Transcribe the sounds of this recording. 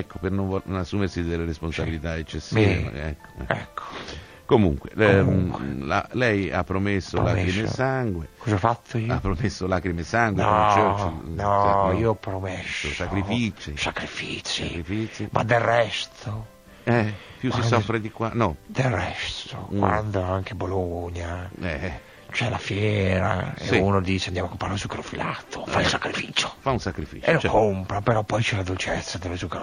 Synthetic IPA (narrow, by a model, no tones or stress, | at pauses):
ɛkːopernonvɔnasːuːmeɾsid̪elːeɾesponsabilit̪aet͡ʃːesːmiːvḛɛ̰kːo̥ɛ̰ɛ̰kːo̥ | komṵŋkwḛ | la̰lɛja̰pːɾomesːolakɾimesaŋɡwekɔzafat̪ʰːoiapːɾomesːolakɾimesaŋɡwet͡ʃɛt͡ʃinɔiopɾomesːosakɾifit͡ʃisakɾifiskɾifisimad̪erːɛst̪ʰo | ɛpjussisɔfɾed̪ikwanɔd̪elrɛst̪o̰kwa̰nd̪oaŋkeboloɲaɛ | t͡ʃɛlafjɛːɾa̰ḛunod̪iːseand̪amakːompɾaɾesukeɾofila̰t̪ʰofailsakɾifiːt͡ʃo̥faunsakɾifḭenot͡ʃkompɾapeɾɔpːɔjt͡ʃɛlad̪olt͡ʃɛt̪sːad̪ovesukɾ